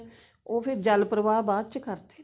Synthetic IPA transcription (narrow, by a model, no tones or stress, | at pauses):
oːpʰɪɾd͡ʒəlpɾəʋaːbaːd̪̚t͡ʃəkəɾt̪e̥